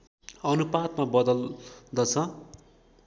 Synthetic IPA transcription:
ʌnupad̪mabʌd̪ʌld̪ʌt͡sʰʌ

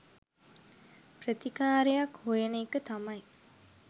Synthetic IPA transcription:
prət̪ikaːɾejakhojenəːkət̪amaj

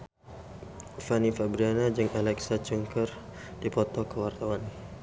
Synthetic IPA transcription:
fanifabɾianad͡ʒɨŋʔalɛksat͡ʃuŋkər | dipɔt̪ɔkəwart̪awan

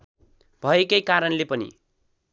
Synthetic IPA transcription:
b̥ʱʌekʌjkaɾʌnlepʌnḭ

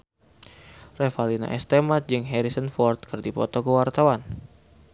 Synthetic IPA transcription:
rɛfalina̰ʔɛst̪emat̪̚d͡ʒɨŋɦɛɾisənfɔrt̪̚kɨrdipɔt̪ɔkəwart̪awan

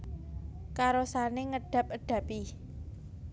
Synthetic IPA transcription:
kaɾosaneŋəɖ̥ä̤p̚əɖ̥ä̤pi

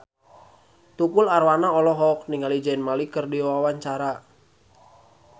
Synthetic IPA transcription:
t̪upularwanaɔlɔɦɔk̚niŋalid͡ʒainmalikərdiwawaɲt͡ʃaɾa

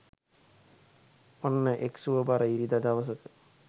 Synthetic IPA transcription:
onːəʔeksuʋəbaɾəiɾid̪ad̪aʋəs̬əkə̥

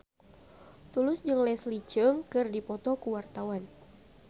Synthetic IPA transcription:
t̪ulʊsd͡ʒɨŋlɛslit͡ʃəŋkɨrdipɔt̪ɔkuwart̪awan

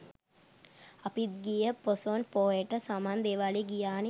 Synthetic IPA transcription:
ɐpit̪̚ɡijəposonpoeʈəsaːmaːnd̪eːʋaːliɡijaːne

